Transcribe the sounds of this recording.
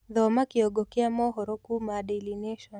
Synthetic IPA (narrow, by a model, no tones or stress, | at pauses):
ðɔmakiɔɡɔkiamɔɦɔɾɔkumaɗɛlinɛʃɔn